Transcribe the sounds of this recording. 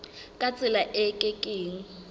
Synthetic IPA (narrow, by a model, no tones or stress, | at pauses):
kʼat͡sʼɪlaʔɛkʼɛkʼeːŋ̩